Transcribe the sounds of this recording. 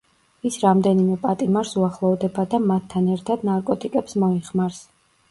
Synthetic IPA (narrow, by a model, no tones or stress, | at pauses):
isɾamd̪ɛnimɛpʼat̪ʼimaɾsuaχlˠɔvd̪ɛbad̪amat̪ʰːanɛɾt̪ʰad̪naɾkʼɔt̪ʼikʼɛpsmɔiχmaɾs